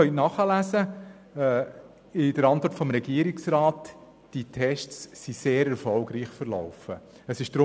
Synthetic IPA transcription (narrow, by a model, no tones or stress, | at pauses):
œʏtnɑχəlæsə | ɪdəɾɑntʋɔɾtfɔmɾɛɡ̥iəɾɪksrɑːt | d̥itʰɛʃtsːiseːɾɛɾfɔlɡɾiːχfəɾlɔ̰ʊfə | əsɪʃd̥ɾʊ